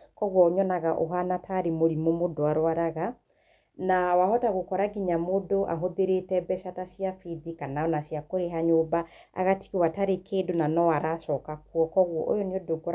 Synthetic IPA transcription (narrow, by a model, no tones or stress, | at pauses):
kɔɣwɔɲɔnaɣaʔoɦanatʰaɾemoɾimomodoaɾwaɾaɣa | nawahɔtaɣokɔɾaɡiɲamodoʔa̰ɦoðeɾetɛbɛʃatasiafiðikanaɔnasiakoɾeɦaɲoːba | a̰ɣati̥ɣewataɾekeːdonanɔaɾasɔkakwɔkɔɣwɔ̰ʔo̰jɔneɔdoɡɔ